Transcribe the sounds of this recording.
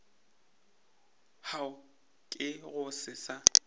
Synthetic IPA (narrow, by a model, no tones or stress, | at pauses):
haʊ | kʼɪɣʊsɪsa